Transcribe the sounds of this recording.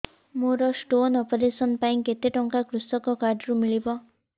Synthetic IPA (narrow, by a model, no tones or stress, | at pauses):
moɾɔsʈonɔpɔɾesɔnpaĩket̪eʈɔŋkakɾusɔkɔkaɾɖɾumiɭibɔ